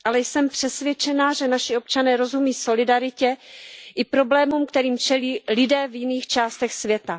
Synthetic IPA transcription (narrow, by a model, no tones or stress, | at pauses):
ʔalɛjsɛmpr̥ɛsvjɛt͡ʃɛnaːʒɛnaʃɪo̞p̚t͡ʃanɛːɾo̞zumiːso̞lɪdaɾɪcɛʔɪpɾo̞blɛːmumkt̪ɛɾiːmt͡ʃɛliːlɪdɛːvjɪniːxt͡ʃaːst̪ɛxsvjɛt̪a